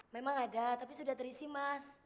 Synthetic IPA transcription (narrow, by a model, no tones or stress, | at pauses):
memaŋadat̪apisudaht̪əɾisimas